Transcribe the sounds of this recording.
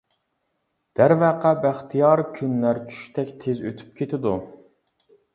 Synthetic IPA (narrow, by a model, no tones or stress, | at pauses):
d̪̥æɾvæqæbæχt̪ʰijɑɾkʲʰynlæɾt͡ʃʰy̥ʃt̪ʰɛkʲt̪ʰezøt̪ʰy̥p̚kʲʰet̪ʰɪd̪u